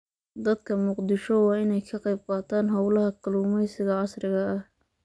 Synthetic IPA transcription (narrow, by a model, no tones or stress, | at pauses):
d̪ɐd̪kʰɐmʊqd̪ɪʃɔwɑːɪnɛjkʰɐqɑjb̚qɑːt̪ʰaːnɦɐwlɐhɐkʰɐluːmɛjsɪɣɐʕɑsrɪɣɐɐh